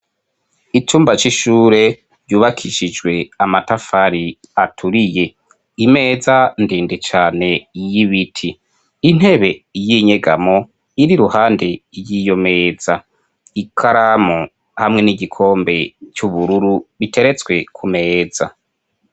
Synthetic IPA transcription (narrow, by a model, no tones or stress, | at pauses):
it͡ʃuːmbat͡ʃiʃuːɾe̞ | ɾjuːβakʰiʃid͡ʒɡwe̞amatafaɾi | atʰuɾije̞ | ime̞ːzandiːndet͡ʃaːne̞jiβitʰiː | n̥he̞βe̞jiɲe̞ɡamo | iɾiɾuhaːndejijo̞me̞ːza | ikʰaɾamo | hamŋe̞niɟikʰo̞ːmbe̞t͡ʃuβuɾuɾuβitʰe̞ɾe̞t͡swe̞kʰume̞ːza̰